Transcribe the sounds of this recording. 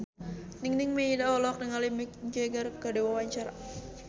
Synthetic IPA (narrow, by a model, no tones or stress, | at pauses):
niŋnɪŋmeidaɔlɔk̚nəŋalimikɲd͡ʒeɡərkədewawaɲt͡ʃaɾa̰